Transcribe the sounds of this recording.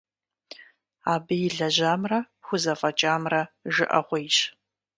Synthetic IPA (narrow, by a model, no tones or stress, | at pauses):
aːbɨjɪɮɐʑaːmrɐ | xʷʊzɐfʼɐt͡ʃʼaːmrɐʒɨʔɐʁʷejɕ